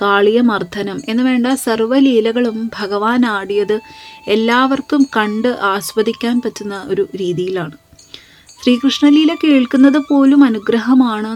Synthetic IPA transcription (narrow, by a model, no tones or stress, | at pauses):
kaːɭijɐmɐrt̪ʰɐnɐme̞nːɨʋe̞ːɳɖɐsɐrʋɐliːlɐɣɐɭumbʱɐɣɐʋaːnaːɽijɐðɨe̞lːaːʋɐrkumkɐɳɖɨʔaːsʋɐd̪ikʲːaːnpɐtːunːɐʔo̞ɾuɾiːðijilaːɳɨ | ɕriːkrɨʂɳɐliːlekeːɭkːunːɐðɨpo̞ːlumɐnuɡɾɐɦɐmaːɳɨ